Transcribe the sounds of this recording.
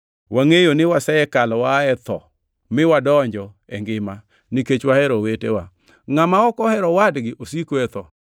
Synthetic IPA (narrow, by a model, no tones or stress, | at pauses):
wʔaŋejonɪwasɛɛkalɔwaɛt̪ɔ̰ | mɪwadɔɲd͡ʒɔ | ɛŋɡɪma | niket͡ʃwahɛɾɔwetewa | ŋamaɔkɔhɛɾɔwadɡɪʔosikoɛt̪ɔ